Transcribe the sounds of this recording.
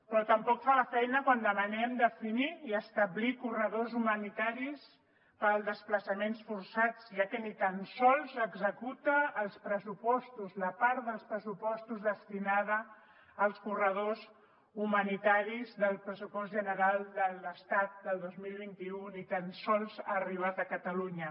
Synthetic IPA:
pɾɔt̪əmpɔkfaləfɛjnəkwand̪əmənɛmd̪əfiniiəst̪əβlikurəðozumənit̪aɾis | pəlˠd̪əspləsəmensfuɾsat͡sʒakɛnit̪ansɔlˠzəɡzəkut̪əːlˠspɾəsupɔst̪uzləpaɾðəlˠspɾəsupɔst̪uzðəst̪inaðəː | lˠskurəð̞oz | umənit̪aɾizðəlˠpɾəsupɔs̬t̪ʒənəɾalˠd̪ələst̪at̪̚d̪əlˠd̪ozmilˠβint̪iunit̪ansɔlˠzaːriβ̞at̪əkət̪əluɲə

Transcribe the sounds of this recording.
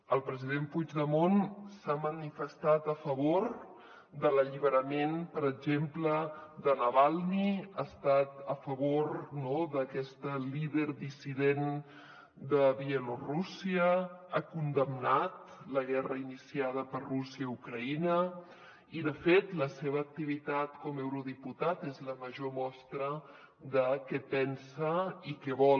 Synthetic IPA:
əlˠpɾəzið̞empud͡ʒðəmonsamənifəst̪at̪əfəβoɾ | d̪ələʎiβ̞əɾəmenpəɾəʒempləd̪ənəβalˠniast̪at̪əfəβoɾnoðəkɛst̪əliðeɾd̪isiðen | d̪əβiəlorusiəakund̪əmnat̪ | ləɣɛrəinisiað̞əpəɾrusiəiukɾəinə | iðəfet̪ləseβəːk̚t̪iβit̪at̪kɔmɛwɾuðiput̪at̪ezləməʒomɔst̪ɾə | ðəkɛpɛnsəikɛβɔ

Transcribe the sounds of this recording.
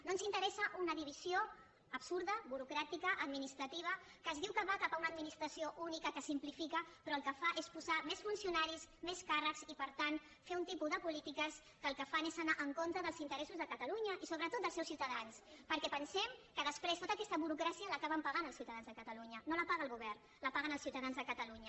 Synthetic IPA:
nonzint̪əɾɛsəʔunəðiβ̞izioː | psuɾðəβuɾukɾat̪ikəʔəd̪minist̪ɾət̪iβə | kəzðiwkəβakapaunəd̪minist̪ɾəsioʔunikəkəsimplifikəpɾɔəlˠkəfaʔespuzamesfunsiunaɾismeskarəkzipəɾt̪an | feunt̪ipuðəpulit̪ikəs | kəːlˠkəfanezənaʔəŋkont̪ɾəðəlˠzint̪əɾɛsuzðəkət̪əluɲəʔisoβɾət̪ot̪d̪əlˠsɛwsiwt̪əðanspəɾkɛpənsɛmkəðəspɾest̪ot̪aəkɛst̪əβuɾukɾasiəlakaβəmpaɣanəlsiuwt̪aðanzðəkət̪əluɲənoləpaɣəlˠɣuβ̞ɛrn | ləpaɣənəlsiwt̪əðanzðəkət̪əluɲə

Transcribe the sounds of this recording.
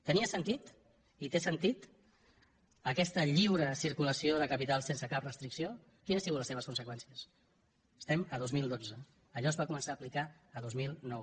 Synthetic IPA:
t̪əniəsənt̪it̪ | it̪esənt̪it̪ | əkɛst̪əʎiwɾəsiɾkuləsioðəkəpit̪alˠsensəkap̚rəst̪ɾiksio | kinsiɣut̪ləseβəskunsəkwɛnsiəs | ə̥st̪ɛməðozmilˠd̪od͡zə | əʎɔzβakumənsaːplika | əð̞ozmilˠnɔw

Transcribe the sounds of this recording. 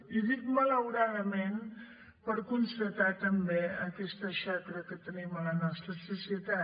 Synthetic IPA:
iðikmələwɾaðəmen | pəɾkunst̪ət̪at̪əmbeəkɛst̪əʃakɾəkət̪ənimələnɔst̪ɾəsusiət̪a

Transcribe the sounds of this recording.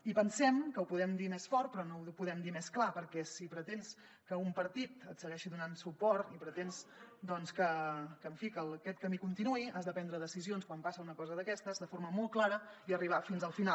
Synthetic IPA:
ipənsɛmkəupuðɛmd̪imɛsfɔrt̪̚pɾɔnoupuðɛmd̪imɛsklapəɾkɛsipɾət̪ens | kəumpəɾt̪it̪ət̪səɣɛʃiðunansupɔrt̪ipɾət̪ensd̪ɔnskəkəːɱfikəlˠkɛt̪̚kəmikunt̪inuiʔazðəpɛnd̪ɾəðəsizionskwampasəunəkɔzəðəkɛst̪əzðəfoɾməmol̚ˠklaɾəiəriβ̞afinzəlˠfina

